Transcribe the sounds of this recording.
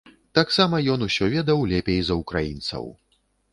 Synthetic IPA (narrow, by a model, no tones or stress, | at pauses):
t̪aksamɐjɔnusʲɔvʲɛd̪ɐwlʲɛpʲejzɐukɾajint̪sɐ̰w